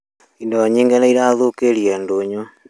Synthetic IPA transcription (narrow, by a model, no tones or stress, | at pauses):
indoɲiːŋɡenaiɾaðokeɾiendoɲo